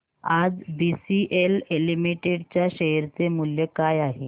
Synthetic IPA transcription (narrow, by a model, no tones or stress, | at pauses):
ad͡zbisiʔelelimiʈeɽt͡ɕjaɕəɦɾt͡semuljekajaɦe